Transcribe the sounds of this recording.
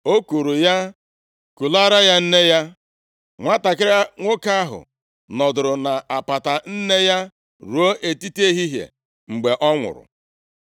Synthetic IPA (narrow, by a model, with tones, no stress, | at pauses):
o˦ku˨ɾu˨ja˦ | ku˨la˦ɾa˦ja˦n̩˦ne˦ja˦ | ŋʷa˦ta˨kɪ˦ɾa˦ŋʷo˦ka˦a˦ɦʊ̰˨ | nɔ˨dʊ˨ɾʊ˨na˨ʔa˨pa˨ta˨n̩˦ne˦ja˦ | ɾu˨o˦ʔe˨ti˦te˦ɦi˦ɦjḛ˨ | ŋ͡m̩˨ɡ͡be˨ʔɔ˦ŋʷʊ̰˨ɾʊ̰˨